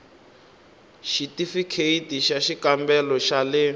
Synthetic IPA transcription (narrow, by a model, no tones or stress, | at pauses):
ʃitifikʰeitiʃaʃikambɛlɔʃalɛ